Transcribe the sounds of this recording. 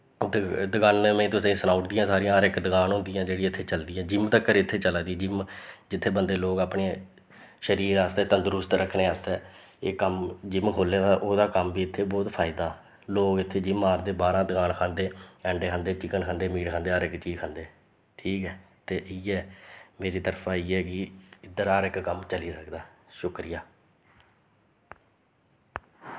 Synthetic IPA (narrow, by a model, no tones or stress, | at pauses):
d̪d̪əɡaːnmẽːt̪ʊsẽːsənaːʊʈd̪ɪjãːsaːɾiãːəɾɪkd̪əɡaːnɦʊ̃nd̪ɪjãːd͡ʒeːɽiɪt̪ʰːeːt͡ʃəld̪iːãːd͡ʒɪmt̪akːəɾeːɪt̪ʰːeːt͡ʃəlaːd̪iːd͡ʒɪmd͡ʒɪt̪ʰːeːbənd̪eːloːɡaːpɳeː | ʃəɾiːɾaːst̪eːt̪ənd̪əɾʊst̪ɾəkʰneːaːst̪ɛː | eːkəmd͡ʒɪmkʰoːleːd̪aːʔoːd̪aːkəmbiːɪt̪ʰːeːbɔːt̪pʰaːɪd̪aː | loːɡɪt̪ʰːeːd͡ʒiːmaːɾd̪eːbaːɾãːd̪əkaːnkʰãːnd̪eːɛ̃ːɳɖeːkʰənd̪eːt͡ʃɪkənkʰãːnd̪eːmiːɽkʰə̃nd̪eːəːɾɪkt͡ʃiːkʰə̃nd̪eː | ʈʰiːkɛː | t̪eːʔɪːɛːmeːɾiːt̪əɾpʰãːiːɛːkɪɪd̪əɾaːɾɪkkəmt͡ʃəliːsəkd̪aːʃʊkɾɪjaː